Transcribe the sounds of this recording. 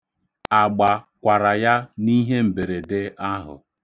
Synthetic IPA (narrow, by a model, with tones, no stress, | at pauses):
a˨ɡ͡ba˨kʷa˨ɾa˨ja˦ni˦ɦe˦m̩˨be˨ɾe˨dɪ˦a˦ɦʊ̰˨